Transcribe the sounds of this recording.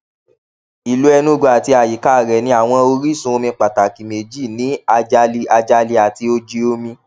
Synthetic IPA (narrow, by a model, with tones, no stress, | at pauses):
i˨lu˨˦ɛ˧nũ˦ɡo˧˦a˨ti˧a˨ji˨˦ka˦˨ɾɛ˨nĩ˧a˨w̃ɔ̃˧o˧ɾi˦˨sũ˧o˧mĩ˧k͡pa˨ta˨ki˨me˨d͡ʒi˦˨nĩ˨˦a˧d͡ʒa˧li˧a˧d͡ʒa˧li˧a˨ti˧o˧d͡ʒi˧o˧mĩ˧